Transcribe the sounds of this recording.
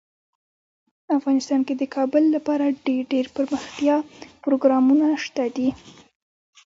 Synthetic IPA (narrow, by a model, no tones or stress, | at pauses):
afɣɑnɪst̪ɑnked̪əkʰɑbəlːapɑɾaɖeɖeɾpəɾməxt̪jɑpɾoɡɾɑmunaʂt̪ad̪i